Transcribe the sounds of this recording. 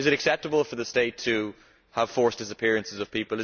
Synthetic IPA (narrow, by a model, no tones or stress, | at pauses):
ɨzɨɾɨksɛp̚təbl̩ˠfə˞ðɨsteɪtʰɨ | əv̥fɔɹsd̥ɪsɨpʰɪɹɨ̃nsɨzʌv̥pʰipəl̩ˠɨ